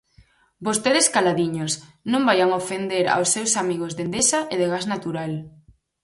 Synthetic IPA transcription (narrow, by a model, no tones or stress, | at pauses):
bost̪eðeskalaðiɲosnõmbajaŋofend̪eɾa̰wsːewsamiɣ̞ozðend̪esaʔeðeɣaznat̪uɾal